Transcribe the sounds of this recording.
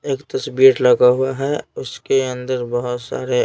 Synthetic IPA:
eːkt̪ɐsbiːɾlɐɡaɦʊaɦɛʊskeɐ̃nd̪əɾbɐɦʊt̪sa̰ːɾe

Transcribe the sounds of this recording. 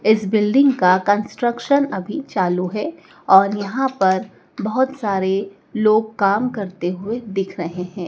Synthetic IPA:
ɪsbɪlɖɪ̃ŋɡkakɐ̃nsʈɾəkʃənɐbʱit͡ʃaːluɦɛː | ɔːɾjɐɦãpɐɾ | bɐɦʊt̪saːɾe | loːɡ̚kaːmkɐɾt̪eɦʊed̪ɪkʰɾɐɦeɦɛ̃ː

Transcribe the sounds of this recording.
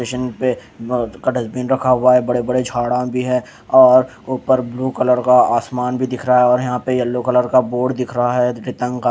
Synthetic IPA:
eːʃənpe | kaɖɐzbiːnɾɐkʰaɦʊaɦɛbɐɽebɐɽed͡ʒʱaːɽãbʱiɦɛ | ɔːɾ | ʊːpəɾbluːkələɾkaaːsmaːnbʱid̪ɪkʰɾaɦaɦɛɔːɾjɐɦãpejɐlːokələɾkaboːɽd̪ɪkʰɾɐɦaɦɛɾɪt̪ə̃ŋɡka

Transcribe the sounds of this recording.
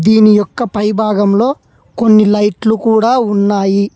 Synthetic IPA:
d̪iːnijɔkːɐpɐjbʱaːɡɐmlo̞ː | ko̞nːilɐjʈlukuːɽaːunːaːji

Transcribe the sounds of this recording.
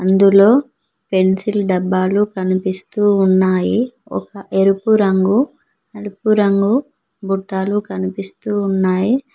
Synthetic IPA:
ɐnd̪ulo̞ː | pe̞nsilɖɐbːaːlukɐnipist̪uːnːaːjiɔ̰kɐʔeɾupuɾɐŋɡu | ɐɾupuɾɐŋɡu | buʈːaːlukɐnipist̪uːnːaːji

